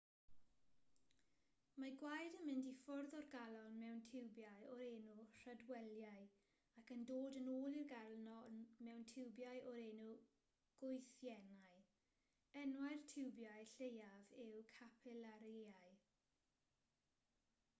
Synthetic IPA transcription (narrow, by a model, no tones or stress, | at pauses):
maɡwajdənmɪndifɔrðɔrɡalˠɔnmɛwntʰɪwbjajɔɾeːnur̥ədwɛlˠjaɨ | akəndoːdənoːlˠirɡalˠnɔnmɛwntʰɪwbjajʔɔɾeːnu | ɡ̥ʊɨθjɛnaɨ | ɛnwaɨrtʰɪwbjaɨɬejavɪwkʰapʰɪlaɾjeaɨ